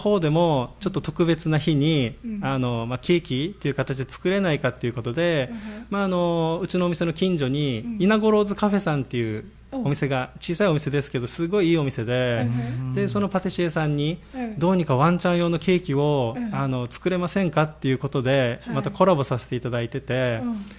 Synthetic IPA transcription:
ho̞ːd̪e̞mo̞t͡ɕo̞t̪ːo̞t̪o̞kɯ̟be̞t͡sɨnaçiɲ̟iano̞makʰʲe̞ːkʲit̪ːe̞jiɯ̟kat̪at͡ɕid̪et͡sɨ̥kɯ̟ɾe̞naikat̪ːe̞jɯ̟ko̞t̪o̞d̪e̞maːno̞ɯ̟t͡ɕino̞ːmʲise̞no̞kʲĩɲd͡ʑo̞ɲ̟iːnaɡo̞ɾo̞ːzɨkaɸe̞sãnt̪ːe̞jɯ̟ | omʲise̞ɡat͡ɕiːsaiomise̞d̪e̞sɨ̥ke̞d̪o̞sɨɡo̞iiːo̞mʲise̞d̪e̞d̪e̞so̞no̞pat̪e̞ɕiesãɲ̟ːid̪o̞ːɲ̟ikaβãɲ̟t͡ɕãɰ̃jo̞ːno̞kʲe̞ːkʲio̞ano̞t͡sɨ̥kɯ̟ɾe̞masẽ̞ŋkat̪ːe̞jɯ̟ko̞t̪o̞d̪e̞mat̪ako̞ɾabo̞sase̞̥t̪e̞it̪ad̪ait̪e̞t̪e̞

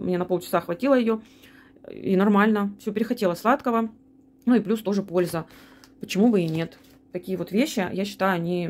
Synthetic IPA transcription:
mnʲe̞nɐpo̞lˠt͡ɕɪ̥saxvɐtʲilˠəjɪjo̞ | ḭnɐrmalʲnəfsʲɵpʲɪɾʲɪxɐtʲe̞lˠəslˠat̪kəvə | nuɪplʲust̪o̞ʐɨpo̞lʲzə | pə̥t͡ɕɪmubɨɪnʲe̞t̪ | t̪ɐkʲijəvo̞t̪vʲeɕːɪ̰jaɕːɪ̥t̪ajʊɐnʲi

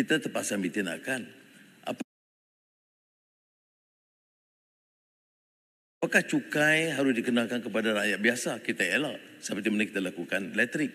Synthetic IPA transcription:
it̪at̪əpaʔsamit̪ina̰kanʔa̰p | pakaht͡ʃukajɦaɾʊsdikənalkankəpadaɾajat̪̚biasakit̪aelaʔsəpərt̪imənaki̥t̪alakukanlɛt̪əɾɪk̚

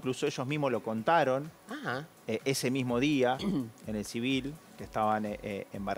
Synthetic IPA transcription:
ŋkluso̞eʃozmiɦmolo̞ko̞nt̪aɾo̞na | eʔese̞mizmo̞ðiaene̞lsiβilkeht̪aβaneemba

